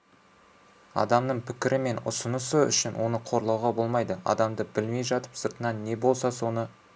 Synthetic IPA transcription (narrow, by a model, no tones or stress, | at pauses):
ɑ̰d̪ɑmnəɴpʰɪkʲɪɾʔɪme̞nʊ̰sənəsəʏ̰ʃɪnwʔo̞nəqʰo̞ɾlˠɑwʁɑbo̞lˠmɑjd̪əɑ̰d̪ɑmd̪əbɪlme̞jʒɑt̪ə̥psəɾt̪ənɑnːe̞bo̞lˠsɑso̞nə